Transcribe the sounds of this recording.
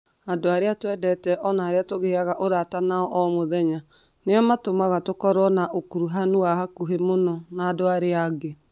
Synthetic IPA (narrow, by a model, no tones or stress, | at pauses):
andoaɾeatwɛdɛtɛʔɔnaːɾeatoɣeaɣaʔoɾatanaɔʔɔmoðɛɲa | neɔmatomaɣatokɔɾɔnaʔokuɾuɦanuaɦakuɦemonɔnaːdoaɾeaɡe